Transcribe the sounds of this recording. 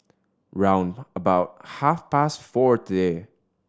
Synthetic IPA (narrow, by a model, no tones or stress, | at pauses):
ɹãʊ̃ndəbaʊt̚hæfpæstfɔɹt̪əde